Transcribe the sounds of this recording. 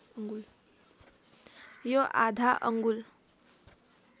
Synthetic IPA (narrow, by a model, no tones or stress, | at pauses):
ŋɡul | joʔad̪ʱaʔə̰ŋɡul